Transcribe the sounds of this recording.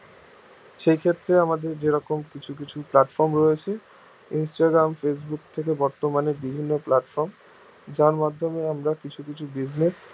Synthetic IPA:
ʃejkʰet̪ːɾeamad̪eɾd͡ʑeɾɔkomkit͡ɕʰuk̬it͡ɕʰuplaʈfɔɾmɾɔet͡ɕʰe | insʈaɡɾamfes̬bukt̪ʰek̬ebɔɾt̪omaneɾbibʱinːoplaʈfɔɾm | d͡ʑaɾmad̪ʱːomeamɾakit͡ɕʰukit͡ɕʰubid͡ʑnes

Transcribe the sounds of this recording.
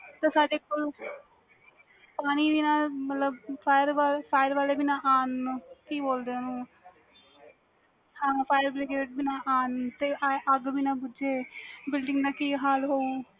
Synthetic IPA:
t̪eːsaːɖeːkol | paːñiːd̪iːnãːlmət̪ləbpʰaːjəɾʋaːlpʰaːjəɾʋaːleːbɪnaːʔaːnkiːboːld̪eːnũː | hãːpʰaːjəɾbleːɡɾeːʈ̚bɪnãːʔaːnt̪eːʔaʔəɡbiːnãːbʊd͡ʒeːbɪlɖɪ̃ŋɡnãːkiːɦaːlɦoːuː

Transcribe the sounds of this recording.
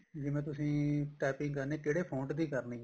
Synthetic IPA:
d͡ʒɪmɛ̃ːt̪ʊsĩːʈɛːpɪ̃ŋɡkəɾneːkeːɽeːpʰõːɳʈd̪iːkəɾnĩː

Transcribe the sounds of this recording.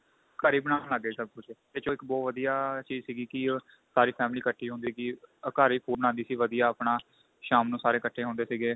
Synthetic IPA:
kəɾiːbəɽaːnləɡeːsəb̚kʊt͡ʃt̪et͡ʃoːɪkbɔːʋəd̪ijaːt͡ʃiːzsiːɡiːkɪ | saːɾiːpʰɛːmliːkəʈʰiːɦõːnd̪iːsiɡiːəkaːɾiːkʰuːbəɽãːnd̪iːsiːʋəd̪ijaːəpnaː | ʃaːmnũːsaːɾeːkəʈʰːeːɦõːnd̪eːsiːɡeː

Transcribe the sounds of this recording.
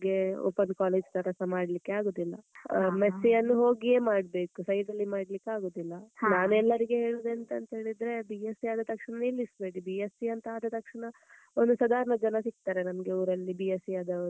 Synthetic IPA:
ɡe̞o̰ːpɐnkaːleːd͡ʒt̪ɐɾɐsɐmaːɽlikːeaːɡoːd̪ilːɐ̰mesːijɐnːuɦo̞ːɡieːmaːɽbe̞ːkusɐjd̪ɐlːimaːɽlikːeaːɡoːd̪ilːɐnaːnɛlːɐɾiɡe̞ɦe̞ːɭud̪eːnt̪ɐɐnt̪ɐɦeːɭid̪ɾe̞biesiaːd̪ɐt̪ɐkʂɳɐniːlːisbe̞ːɽibiesiɐnt̪ɐaːd̪ɐt̪ɐkʂɐɳɐ | ond̪usɐd̪ʱaːɾɐɳɐd͡ʒɐnɐsik̚t̪aːɾe̞nɐmɐɡeuːɾɐlːibiesiad̪ɐ

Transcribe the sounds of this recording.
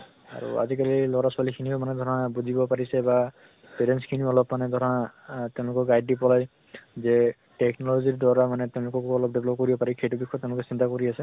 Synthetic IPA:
a̰ɹṵa̰zikalilɔɾaswalikʰinibɔmanɛd̪ʱɔɹɔnabuzibɔpaɹisɛba | peɾenskʰinibɔɔlɔpmanɛd̪ʱɔɾɔnat̪eʊ̃lʊkɔɡajdipɔlaj | zɛ | ʈeknɔlɔziɹdɔɹamanɛt̪eʊ̃lʊkɔkɔlɔp̚deblɔp̚kɔɹibɔpaɹikʰejtubikʰːɔt̪eʊ̃lʊkesint̪akɔɹiasɛ

